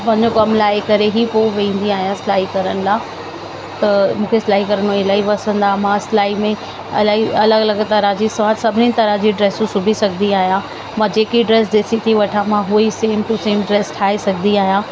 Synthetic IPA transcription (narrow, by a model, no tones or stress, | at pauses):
pɐ̃ɦɪ̃ɲd͡ʑokɐmlaːekɐɾeɦipoːʋĩːn̆d̪iaːɦijãsɪlaːikɐɾəñɪ̆laː | t̪ɐmũːkʰeslaːikɐɾəñoelaːiʋɐsə̃nd̪aːmãslaːimẽ | ɐ̰laːiɐləɡɐlɐɡt̪ɐɾãd͡ʑisʋaːt̪sɐbʱɪnit̪ɐɾãd͡ʑiːɖɾeːsusʊbʱisɐɡʱəniaːɦijã | mãːd͡ʑeːkiɖɾeːsd̪eːsit̪ʰiʋɐʈʰãmãɦueiseːmʈuseːmɖɾeːsʈʰaːesɐɡʱəniaːɦijãː